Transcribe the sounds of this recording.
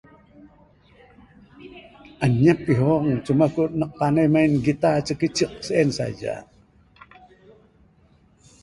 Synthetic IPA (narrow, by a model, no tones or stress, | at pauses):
ʔaɲapːiɦɔŋt͡ʃumakunəq̚panəjmainɡit̪at͡ʃəkət͡ʃəq̚səɛnsa̰d͡ʒa̰